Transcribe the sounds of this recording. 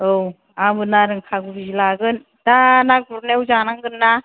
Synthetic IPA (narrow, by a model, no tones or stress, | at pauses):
ow | amɯnaɾɯŋkʰaɡubizɯlaɡɯn | danak̚buɾnewzanaŋɡɯnːa